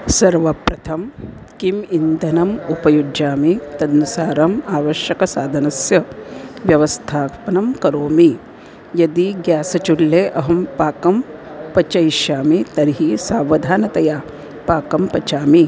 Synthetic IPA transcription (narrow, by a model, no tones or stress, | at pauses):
sɐɾʋɐpɾɐt̪ʰɐm | kimind̪ʱɐnɐmupɐjud͡ʒaːmit̪ɐd̪nusaːɾɐmaːʋɐʃjɐkɐsaːd̪ʱɐnɐsjɐʋjɐʋɐst̪ʰaːpɐnɐmkɐɾoːmi | jɐd̪iɡjaːsɐt͡ʃulːeːʔɐɦɐmpaːkɐm | pɐt͡ʃɐjʃjaːmit̪ɐɾɦisaːʋɐd̪ʱaːnɐt̪ɐjaː | paːkɐmpɐt͡ʃaːmi